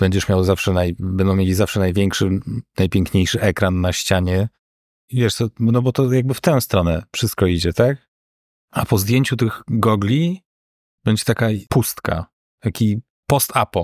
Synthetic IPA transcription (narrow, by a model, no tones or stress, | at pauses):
b̥ɛɲd͡ʑɛʂmʲjawzafʂɛnajbɛnd̪ɔ̃w̃mʲelʲizafʂɛnajvʲjɛŋkʂɘnajpʲɛŋkɲejʂɘʔɛkɾanːaɕt͡ɕaɲɛ | ivʲjɛʂt̪sɔnɔbɔt̪ɔjaɡ̚bɘft̪ɛ̃w̃st̪ɾɔnɛfʂɘst̪̚kɔid͡ʑɛt̪ak̚ | apɔzd̪ʲjeɲt͡ɕut̪ɘɣɡɔɡlʲi | b̥ɛɲd͡ʑɛt̪akapust̪ka̰ | t̪akʲi | pɔst̪ʰapɔ